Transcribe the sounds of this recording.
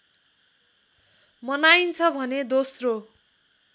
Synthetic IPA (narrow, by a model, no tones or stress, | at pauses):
mʌnajnt͡sʰʌbʱʌned̪osro